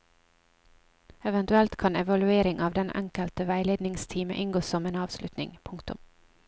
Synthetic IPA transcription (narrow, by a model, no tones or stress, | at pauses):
ɛʋɛnt̪ʉɛlt̪kʰɑnɛʋɑlʉeːɾɪŋʔɑːʋd̪ɛnʔɛ̰ŋkəlt̪əʋæɪleːd̪nɪŋst̪ʰiːmə̰ʔɪŋɡoːsɔmeːnɑːʋslʉt̪nɪ̰ŋpʰʊŋkt̪ʉ̰m